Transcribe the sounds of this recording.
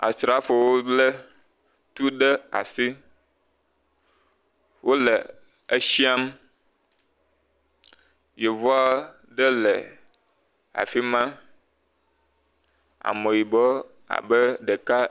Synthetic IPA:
a̰˨sɾa˦fo˨wo˦lə˦ | t̪u˦ɖə˦a̰˨si˦ | wo˦lə˨ | e˦ʃi˦a˦m | je˨vɔ˦a˦ | ɖə˦lə˨ | a̰˨fi˦mã˦ | a̰˨mõ˨ji˨bɔ˦ | a̰˨bə˦ɖə˨ka˦

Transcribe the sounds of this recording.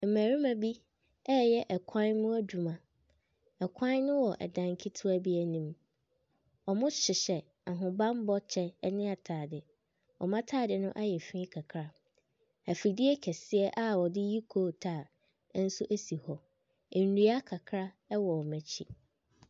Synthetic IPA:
m̩˨mæː˨ɾi˦mã˨bi˦ | ɛ˦jɛ˦ʔɛ˨kʷʰã˦nmʊ̃˦æ˦d͡ʑᶣu˨mã˨ | ɛ˨kʷʰã˦nnʊ̃˦wɔ˨ʔɛ̰˨dã˨ŋ˨kʰi˦tʰʊ˦æ˦bi˦æ˦nĩ˦m | ɔ˨mʊ̃˦ɕɪ˨ɕɛ˨ | a˨ɦʊ̃˨bã˦m˦bɔ˦t͡ɕʰɛ˦ɛ˦nɪ̃˦a˨tʰaː˨dɪ˨ | ɔ̰˨mã˦tʰaː˦˨dɪ˨nʊ̃˦ʔa˦jɛ˨fĩ˦kʰa˨kʰɾa˦ | æ˨fɾi˨di˦ɛ˦kʰɛ˨sɪ˦ɛ˦ʔa˦wɔ˨dɪ˦ji˦kʰoː˦˨tʰaː˦˨˦ | n̩˦sʊ˦ʔæ˦si˨hɔ˨ | ɛ˨n̩˨nu˦a˦kʰa˨kʰɾa˦ | ɛ˦wɔ˨ɔ˨mæ̃˨t͡ɕʰḭ˦

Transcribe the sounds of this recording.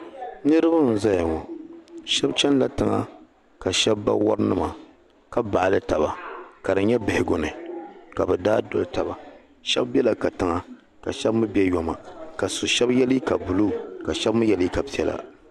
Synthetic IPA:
nɨ˦ɾɨ˦ba˦n̩˨za˦ja˨ŋɔ˨ʃɛ˦bt͡ʃɛ˦n˦la˦tɨ˨ŋa̰˦ | ka˨ʃɛ˦bːa̰˦wɔ̰˦ɾɨ˦nɨ˦ma˨ | ka˦ba˨ʔlɨ˦ta˨ba˨ka˨dɨ˨ɲɛ˦bɪ˨hɪ˨ɡo˨nɨ˨ka˨bɨ˨daː˦do˦lta˨ba˨ | ʃɛ˦bbɛ˦la˨ka˨tɨ˨ŋa˨ | ka˨ʃɛ˦bmɨ˦bɛ˦jɔ˨ma˨ka˨sʊ˨ʃɛ˦bjɛ˦li˦ka˨bu˨lu˦˨ka˨ʃɛ˦bmɨ˦jɛ˦li˦ka˨pi˦ɛ̰˨la̰˦˨

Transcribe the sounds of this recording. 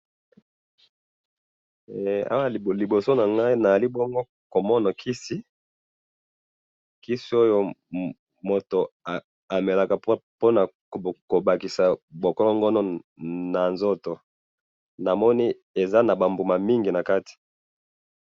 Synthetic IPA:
a̰˦wa˦li˨bo˨so˦na˨ŋɡa˦i˦na˨za˨li˦bɔ˦ŋɡo˦ | ko˨mɔ˦na˨kʰi˦si˦ | ki˦si˦o˦jo˦ | mo˨to˨ | a˨me˨la˨ka˨˦po˦na˨ | ko˨ba˨ki˨sa˨bo˨ko˦lo˦ŋɡo˦no˦na˨nzo˦to˨ | na˨mɔ˦ni˦ | e˨za˦na˨ba˨mbu˨ma˨mi˦ŋɡi˨na˨ka˦ti̥˨

